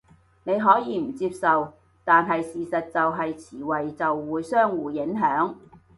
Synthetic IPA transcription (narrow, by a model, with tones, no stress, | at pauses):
ne˨˧jɦɔː˨˥jiː˨˧m̩˨˩t͡siː˧p̚sɐ˨w | t̪aː˨nɦɐ˨jsiː˨sɐ˨t̚t͡sɐ˨wɦɐ˨jt͡sʰiː˨˩wɐ˨jt͡sɐ˨wːuː˨˧jsœː˥ŋwuː˨jɪ˨˥ŋɦœː˨˥ŋ